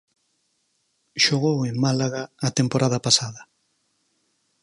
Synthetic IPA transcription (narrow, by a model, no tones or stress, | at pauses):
ʃoɣ̞oweŋmalaɣaːt̪empoɾaðapasaðɐ